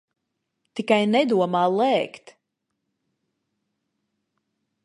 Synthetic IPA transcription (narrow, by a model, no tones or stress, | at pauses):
t̪ikajnɛd̪uɔmaːlˠɛːkt̪